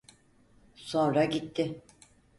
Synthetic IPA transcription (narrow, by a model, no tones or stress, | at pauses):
sõ̞nɾaɟit̪ʰːɪ